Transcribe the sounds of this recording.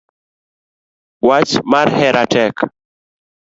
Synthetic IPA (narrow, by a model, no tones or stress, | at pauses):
wat͡ʃmarhɛɾʔatɛk